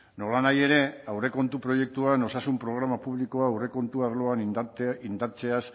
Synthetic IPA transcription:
no̞lanaje̞ɾe̞awre̞ko̞nt̪upɾo̞je̞k̚t̪uano̞sasumpɾo̞ɣ̞ɾamapuβlikoaːwre̞ko̞nt̪uaɾlo̞anind̪aɾt͡se̞as

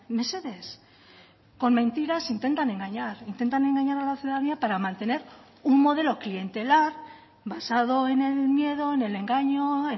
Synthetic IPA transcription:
me̞se̞ðe̞s | ko̞nmẽ̞nt̪iɾasint̪e̞nt̪anẽ̞ŋɡaɲaɾint̪e̞nt̪ane̞ŋɡaɲaɾalaθjuðaðaniapaɾamãnt̪e̞ne̞ɾ | uŋmo̞ð̞e̞lo̞klie̞nt̪e̞laɾ | βasaðo̞e̞ne̞lmje̞ðo̞ene̞le̞ŋɡaɲoe

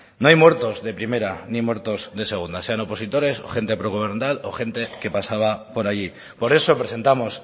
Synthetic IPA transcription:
noajmwe̞ɾt̪o̞zðe̞pɾime̞ɾanimwe̞ɾt̪o̞zðe̞se̞ɣ̞und̪ase̞ano̞po̞sit̪o̞ɾe̞so̞̰xe̞nt̪e̞pɾoɣoβeɾnd̪alo̞̰xe̞nt̪e̞ke̞pasaβ̞apo̞ɾaʎi | po̞ɾe̞so̞pɾe̞se̞nt̪amo̞s

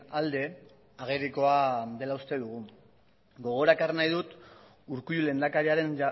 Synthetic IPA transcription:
ald̪e̞ | aɣ̞eriko̞aðe̞laust̪e̞ðuɣ̞u | ɡo̞ɣ̞o̞ɾakarnajðut̪ | uɾkuʎule̞nd̪akaɾiaɾe̞n

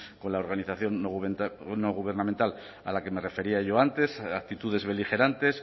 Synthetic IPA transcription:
ko̞nlaoɾɣaniθaθjo̞nːoβnoɣ̞uβ̞e̞ɾnamẽnt̪al | a̰lakeme̞re̞fe̞ɾiaʝo̞ant̪e̞sakt̪it̪uðe̞zβe̞lixe̞ɾant̪e̞s

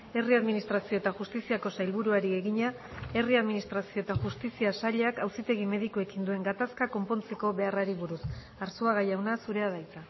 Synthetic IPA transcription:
e̞riaðminist̪ɾasio̞et̪aʝust̪isiako̞sajlβuɾuaɾie̞ɣiɲa | e̞riaðminist̪ɾasioet̪aʝust̪isiasaʎeakawsit̪e̞ɣ̞ime̞ðikue̞kind̪ue̞ŋɡat̪askako̞mpo̞nt͡se̞ko̞βe̞araɾiβuɾus | aɾsuaɣ̞ajawnasuɾe̞að̞ajt͡sa

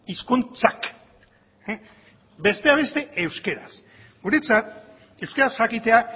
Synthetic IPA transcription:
iskunt͡sak | be̞st̪e̞aβ̞e̞st̪e̞ewske̞ɾas | ɡuɾet͡sat̪̚ | e̞wskeɾasʝakit̪e̞a

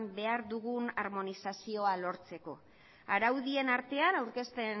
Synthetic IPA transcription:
mbe̞aɾðuɣ̞unaɾmo̞nisasio̞alo̞ɾt͡se̞ko̞̰ | aɾawðie̞naɾt̪e̞anawɾke̞st̪e̞n

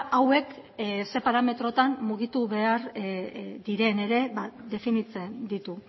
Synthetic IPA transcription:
awe̞kse̞paɾame̞t̪ɾo̞t̪ammuɣ̞it̪uβe̞aɾ | d̪iɾe̞ne̞ɾe̞βad̪e̞finit͡send̪it̪u

